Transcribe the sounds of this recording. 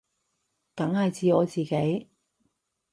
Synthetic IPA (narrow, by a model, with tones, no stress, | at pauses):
t̪ɐ˨˥ŋhɐ˨jt͡siː˨˧ɔː˨˧t͡siː˨ke˨˥j